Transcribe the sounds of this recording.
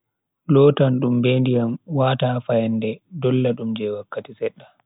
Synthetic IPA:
lɔːtanɗumbeːndijamwaːtaːfajanːdɛdɔlːaɗumd͡ʒɛwakːatisɛɗːa

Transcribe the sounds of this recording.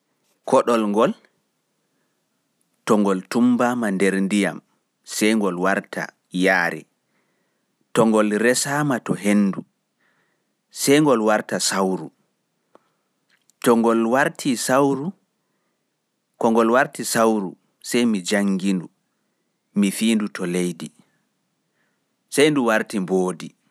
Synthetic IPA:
kɔɗɔlŋɡɔl | tɔŋɡɔltumbamandeɾndija̰m | sɛjŋɡɔlwaɾta̰ | jaːɾɛ̰ | tɔŋɡɔlɾɛsaːmatɔɦenːdu | sɛjŋɡɔlwaɾtasawɾu | tɔŋɡɔlwaɾtʰisawɾu | kɔŋɡɔlwaɾtisawɾu | sɛjmid͡ʒaŋːɡindu | mifiːndutʰɔlejdi | sajnduwaɾtimboːdi

